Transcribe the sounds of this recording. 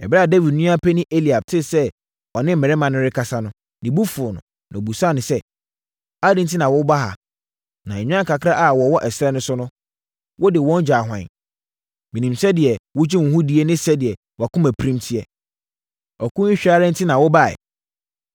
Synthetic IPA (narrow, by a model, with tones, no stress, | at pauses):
ɛ̰˨ba˦˨de˦vi˨dnũ˦a˦pʰɛ˦nɪ̃˦ʔe˦li˨a˨b̚tʰɪ˦sɛ˦ | ɔ˨nɪ̃˦m̩˨mɛ˨ɾɛ˦mã˨nʊ̃˦ɾɪ˦kʰa˨sa˦nʊ̃˦ | nɪ̃˨bu˦fʊ˨nʊ̰̃˨ | nã˨bu˨sa˦˨nʊ̃˨sɛ˦ | a˦dɪ̃˦n˦tʰɪ˦nã˨wɔ˦ba˦ɦa̰˨ | nã˨ɛ˨ɲᶣ˦ã˦˨kʰa˨kʰɾa˦ʔa˨wɔ˨wɔ˦ʔɛ˨sɾɛ˦nʊ̃˦sʊ˦nʊ̃˦ | wɔ˦dɪ˨wɔ̃˦n˦d͡ʑᶣaː˨ɦʷwã̰˨n | mĩ˨nĩ˨msɛ˦dɪ˨ɛ˨wʊ˦d͡ʑɪ̃˦wʊ̃˨ɦʊ̃˦di˨˦e˦nɪ̃˦sɛ˦dɪ˨ɛ˨ | wɔ˨a˨kʊ̃˦mæ˨pʰɾĩ˦mtʰi˦ɛ˨ | ɔ˨kʊ̃˦ɪ˦ɕᶣa˦ɾɛ̃˦n̩˦tʰɪ˦nã˨wɔ˦ba˨ɛ̰˨